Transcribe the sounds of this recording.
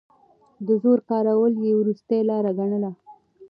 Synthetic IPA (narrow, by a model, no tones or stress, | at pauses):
d̪əzoɾkɑɾawəljewɾust̪ejlɑɾaɡaɳəla